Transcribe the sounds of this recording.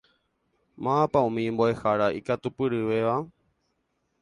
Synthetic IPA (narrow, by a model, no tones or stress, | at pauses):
mãpaũmĩmboe̞haɾaʔikat̪upɨɾɨʋe̞ʋa